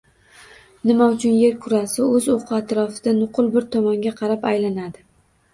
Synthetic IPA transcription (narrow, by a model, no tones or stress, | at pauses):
nɪmaʊt͡ʃʰʊnje̞ɾkʰʊɾasɪɵzoqʰɨat̪ɾɒfɪd̪̥anʊqʰʊlˠbɪɾt̪ʰɒmɒŋɡʲaqʰɑɾapajlanad̪ɪ